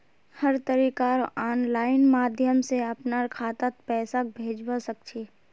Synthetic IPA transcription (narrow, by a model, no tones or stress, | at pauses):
həɾt̪əɾiːkaɾaːnlaːɪnmaːd̪ʱjəmseɐpnaɾkʰaːt̪at̪̚pɛːsak̚bʱeːd͡ʒbasək̚t͡ʃʰeː